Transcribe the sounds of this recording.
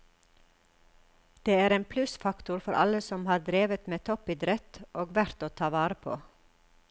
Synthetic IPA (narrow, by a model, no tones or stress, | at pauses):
d̪̥eːæːɾeːnpʰlʉsfɑkt̪ʊɾfɔɾʔɑ̰ləsɔmhɑːɾd̪ɾeːʋət̪meːt̪ʰɔpɪd̪ɾɛt̪ʔoːɡʋæɾt̪oːt̪ʰɑːʋɑːɾəpʰo̰ː